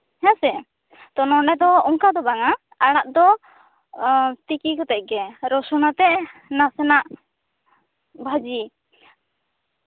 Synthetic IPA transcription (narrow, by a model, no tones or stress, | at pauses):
hɛ̃sɛ | t̪ɔnɔnɛd̪ɔɔŋkad̪ɔbaŋa | aɽ̃aʔd̪ɔ | t̪ikikɔt̪ɛc̚ˀɡɛɾɔsɔnat̪ɛʔnasɛnaʔ | bʱad͡ʒi